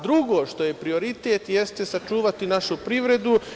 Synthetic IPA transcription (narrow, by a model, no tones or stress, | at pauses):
d̪ɾuɡo̞ːʃt̪o̞je̞pɾio̞ɾit̪et̪jest̪e̞sat͡ʃuːʋat̪inaʃupɾiʋɾe̞d̪u